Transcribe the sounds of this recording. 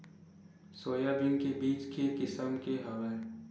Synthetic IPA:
soːjabɪnkebiːt͡ʃkekɪsəmkeɦəʋɛ

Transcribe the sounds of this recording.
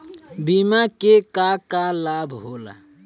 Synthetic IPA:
bimakekakalabʱɦola̰

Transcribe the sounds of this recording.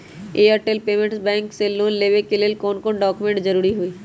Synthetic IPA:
eəʈelpeːmẽɳʈsbɛ̃ːŋkseloːnleːʋekeleːlkɔːnkoːnɖɔːkumẽɳʈzɐɾuːɾiɦuiː

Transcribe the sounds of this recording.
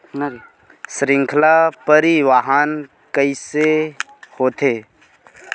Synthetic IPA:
sɾɪ̃ŋkʰlapəɾiʋaːɦən | kəise | hoːt̪ʰeː

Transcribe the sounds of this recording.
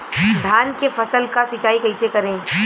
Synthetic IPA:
d̪ʱaːnkefɐsəlkasɪt͡ʃaːikɐɪsekɐɾẽː

